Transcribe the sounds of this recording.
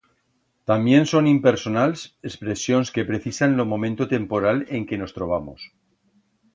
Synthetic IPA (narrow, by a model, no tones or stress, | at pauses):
t̪ambje̞nso̞nimpe̞ɾso̞nalsespɾe̞sjo̞nske̞pɾe̞θisanlo̞mõ̞mẽnt̪ot̪e̞mpo̞ɾaleŋke̞no̞st̪ɾo̞β̞amo̰s